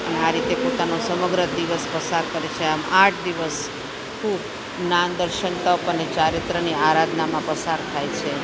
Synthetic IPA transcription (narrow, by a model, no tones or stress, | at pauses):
əneaɾit̪epot̪anosəməɡɾəd̪iʋəspəsaɾkəɾet͡ʃʰeamaʈʰd̪iʋəs | kʰub | nand̪əɾʃənt̪əpənet͡ʃaɾɪt̪ɾəniaɾad̪namãpəsaɾt̪ʰajt͡ʃʰe